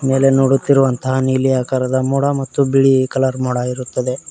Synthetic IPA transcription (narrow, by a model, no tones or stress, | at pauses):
me̞ːle̞noːɽut̪ːiɾuʋɐnt̪ɐɦɐniːlijaːkaːɾɐd̪ɐmuːɽɐmɐt̪ːubiɭikɐlaɾmuːɽaiɾut̪ːɐd̪e̞